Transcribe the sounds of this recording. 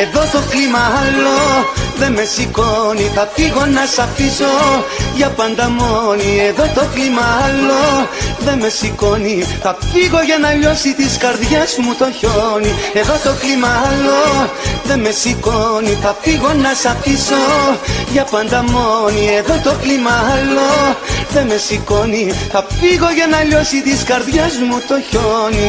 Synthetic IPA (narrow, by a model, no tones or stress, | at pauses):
e̞ðo̞t̪o̞klimɐɐlːo̞ðe̞me̞sikoniθɐfiɣo̞nɐsɐfiso̞ʝɐpɐnd̪ɐmonieðo̞t̪o̞klimɐɐlo̞ðe̞me̞siko̞niθɐfiɣo̞ʝɐnɐʎo̞sit̪iskɐɾðʝɐzmut̪o̞çonie̞ðo̞t̪o̞klimɐɐlo | ðe̞me̞sikoniθɐfiɣo̞nɐsɐfisoʝɐpɐnd̪ɐmonie̞ðo̞t̪o̞klimɐɐlːo̞ðe̞me̞siko̞niθfiɣo̞ʝɐnɐʎo̞sit̪iskɐɾðʝɐzmut̪o̞çoni